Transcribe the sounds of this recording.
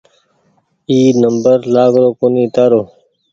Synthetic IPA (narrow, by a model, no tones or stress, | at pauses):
iːnəmbəɾlaːɡɾoːkoniːt̪aːɾoː